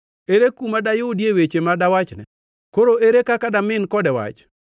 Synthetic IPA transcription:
eɾekumadajʊdiewet͡ʃemadawat͡ʃnɛ̰ | koɾoʔeɾekakadamɪnkɔdɛwa̰t͡ʃ

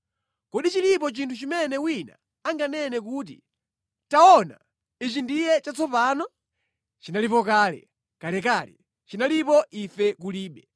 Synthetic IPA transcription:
kɔɗit͡ʃilipɔt͡ʃintʰut͡ʃimɛnɛwina̰ | aŋɡanɛnɛkuːt̬ḭ | taɔna̰ | it͡ʃindijɛt͡ʃat͡sɔpaːnɔ | t͡ʃinalipɔkaːlɛ̰ | kalɛkaːlɛ̰ | t͡ʃinalipɔʔifɛkuliːɓɛ

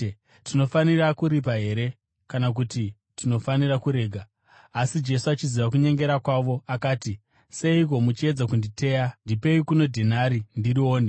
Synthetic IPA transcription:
tino̞fanirakuɾip̬aɦe̞ɾe̞ | kanak̬uti | tino̞fanirakuɾe̞ːɡʱaː | sid͡ʒe̞suat͡ʃiziʋak̬uɲe̞ŋɡe̞ɾakwaʋo̞akaːti | se̞ik̬o̞mut͡ʃie̞d͡zakunditʰe̞ːjandipe̞ikuno̞dʱenaɾindiɾio̞ːne

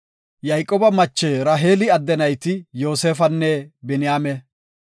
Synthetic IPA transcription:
jɐjkʼːɔbɐmɐt͡ʃːeːɾaːɦeːlɪɐd̪ːɛnɐjt̪ɪjo̞ːseːfɐnːɛbɛnɪjaːmɛ

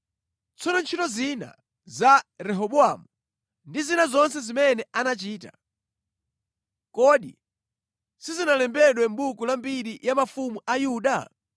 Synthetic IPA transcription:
t͡sʰɔnɔnt͡ʃʰitɔzina̰ | zaɾɛɦɔɓuamu | ndizinazɔnsɛzimɛnɛanat͡ʃiːta̰ | kɔɗḭ | sizinalɛmbɛɗwɛm̩ɓukulambiɾijamafumuʔajuːɗa

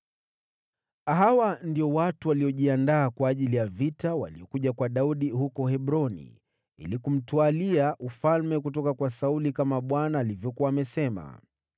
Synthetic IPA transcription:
aɦawandiɔwatuwaliɔʄiandaːkwaːʄilijavitawa̰liɔkuʄakwaɗauɗihukɔhɛɓɾɔnḭ | ḭlikum̩tualiaʔufalmɛkutɔkakwasaulikamaɓwanaːlivjɔkuwaːmɛsɛma̰

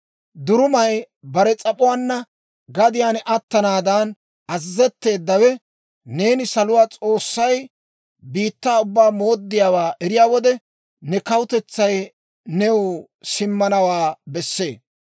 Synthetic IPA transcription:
d̪ʊɾʊmɐj | bɐɾɛt͡sʼɐpʼʊwaːnːɐ | ɡɐd̪ɪjaːnʔɐt̪ːɐnaːd̪ɐn | ɐzːɛt̪ːe̞ːd̪ːɐwɛ | ne̞ːnɪsɐlʊwaːt͡sʼo̞ːsːɐj | biːt̪ːaːʊbːaːmo̞ːd̪ːɪjaːwaːʔɛɾɪjaːwɔd̪ɛ | nɛkɐwʊt̪ɛt͡sːɐj | nɛw | sɪmːɐnɐwaːbɛsːe̞ː

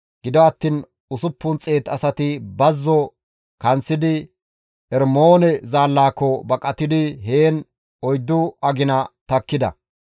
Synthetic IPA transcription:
ɡ̥ɪd̪ɔɐt̪ːiːn | ʊsʊpːʊnt͡sʼeːt̪ɐsɐt̪ɪbɐzːɔ | kɐnt͡sːɪd̪ɪ | ɛɾmoːnɛzaːlːaːkːɔbɐkʼɐt̪ɪd̪ɪɦeːn | ɔjd̪ːʊɐɡɪnɐt̪ɐkːɪd̪ɐ̰

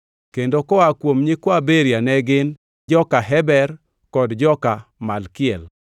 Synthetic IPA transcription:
kendokɔakwomɲɪkwabeɾjanɛɡɪn | d͡ʒɔkaɦɛbɛr | kɔdd͡ʒɔkamalkɪɛl

